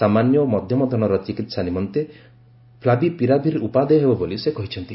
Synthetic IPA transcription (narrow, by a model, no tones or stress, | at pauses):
samanjɔmɔd̪ʱjɔmɔd̪ʱɔnɔɾɔt͡ʃikit̪sanimɔnt̪e | pʰlabipiɾabʱiɾeupad̪ejɦebɔbolisekɔɦit͡ʃʰɔnt̪i